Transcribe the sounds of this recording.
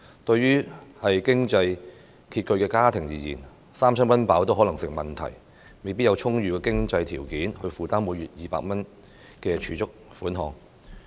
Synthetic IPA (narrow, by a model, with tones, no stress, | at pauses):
t̪ɵ˧ɥɥyː˥hɐ˨jkɪ˥ŋt͡sɐ˧j | kʰiː˧t̚kɵ˧ɥkɛː˧kaː˥t̪ʰɪ˨˩ŋjiː˨˩jiː˨˩n | saː˥mt͡ʃʰœː˥ŋmɐ˥npaː˨˥wt̪o˥wɦɔ˨˥lɐ˨˩ŋsɪ˨ŋ̚mɐ˨nt̪ʰɐ̰˨˩j | me˨jpi˥t̚jɐ˨˧wt͡ʃʰʊ˥ŋɥyː˨˧kɛː˧kɪ˥ŋt͡sɐ˧jt̪ʰiː˨˩wkiː˨˥nhɵ˧ɥfuː˨t̪aː˥mmu˨˧˥jɥyː˨t̚jiː˨pa̰ː˧k̚mɐ˥n | kɛː˧t͡ʃʰyː˨˧t͡sʊ˥k̚ | fuː˨˥nɦɔː˨˧ŋ